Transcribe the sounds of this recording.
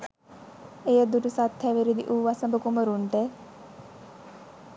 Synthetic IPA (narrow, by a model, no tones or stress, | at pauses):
ejəd̪uʈusat̪ʰːæʋiɾid̪iʔuːʋasəmbəkuməɾuɳʈe